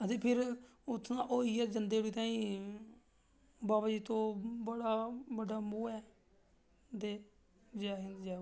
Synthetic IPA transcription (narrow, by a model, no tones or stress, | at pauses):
ət̪eːpʰɪɾ | ʊt̪ʰːnãːʔoːiːɛːd͡ʒənd̪eːɽiːt̪ãːĩː | baːbaːd͡ʒiːt̪õːbəɽaːbəɖaːmuːɛː | d̪eː | d͡ʒɛːɦɪd͡ʒɛː